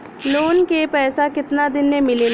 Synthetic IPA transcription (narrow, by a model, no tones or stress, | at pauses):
loːnkepɛːsakɪt̪nad̪ɪnmẽmɪle